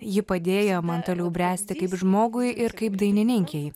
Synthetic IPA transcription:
jɪpɐd̪ʲeːjomɐnt̪oːlʲɛʊbʲɾʲæːsʲt̪ʲɪkɐɪpʒmoːɡʊɪɪɾkɐɪpd̪ɐɪnʲɪnʲɪŋʲkʲɛɪ

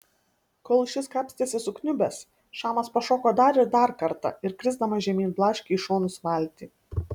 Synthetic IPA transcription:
koːlˠʃʲɪskɑːpʲsʲt̪ʲeːsʲɪsʊknʲʊbʲɛs | ʃɑːmɐspɐʃoːkoːd̪ɐɾɪɾd̪ɐɾkɐɾt̪ɑ̰ɪɾkɾʲɪzd̪ɐmɐʒʲɛmʲiːnblˠɑːʃʲkʲɛʃoːnʊsʋɐlʲt̪ʲiː

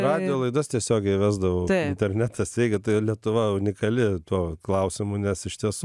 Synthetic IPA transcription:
rɑːd̪ʲɪjoːlˠɐɪd̪ost̪ʲiɛsʲoːɡʲɛɪʋʲæːzd̪ɐʋoʊtɪnʲt̪ʲɛrʲnʲæt̪ɐsjʲɛɪɡʲɪt̪ɐɪlʲiɛt̪ʊʋɐʊnʲɪkɐlʲɪt̪uɔklˠɐʊsʲɪmʊnʲɛsɪʃʲt̪ʲiɛsu

